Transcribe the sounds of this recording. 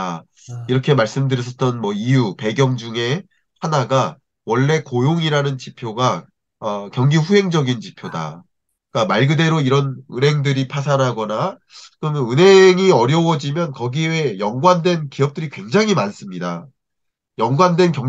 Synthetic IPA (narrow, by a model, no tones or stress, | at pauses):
a | iɾʌkʰe̞maɭs͈ɯmdɯɾjʌsʰʌt͈ʌnmwʌijupe̞ɡjʌŋd͡ʑuŋe̞ | hanaɡa | wʌɭːe̞kojoŋiɾanɯnt͡ɕipʰjoɡaː | kjʌŋɡiɸuɦe̞ŋd͡ʑʌɡint͡ɕi̥pʰjoda̰ | k͈amaɭɡɯde̞ɾoiɾʌnɯnɦe̞ŋdɯɾipʰas̬ʰanɦaɡʌna | kɾʌnɯnɯnɦe̞ŋiʌɾjʌwʌd͡ʑimjʌnkʌɡie̞jʌŋɡwandwe̞nkiʌp̚t͈ɯɾikwe̞ŋd͡ʑaŋɦimans͈ɯmɲida | jʌŋɡwandwe̞nkjʌŋ